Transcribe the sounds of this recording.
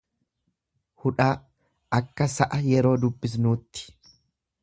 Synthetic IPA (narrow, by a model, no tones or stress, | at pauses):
hʊᶑaː | ɐkːɐsɐʔɐjɛɾo̞ːd̪ʊbːɪs̬nuːt̪ːɪ̥